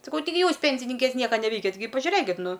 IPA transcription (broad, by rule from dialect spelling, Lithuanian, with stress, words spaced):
sɐˈkɐʊ tɐɪˈɡʲɪ ˈjuːs ˈpʲɛnʲsʲɪnʲɪŋʲkʲeːs ˈnʲiɛkɐ nʲɛˈʋʲɛɪkʲɛt ɡʲɪ pɐʒʲʊˈrʲeːkʲɪt ˈnʊ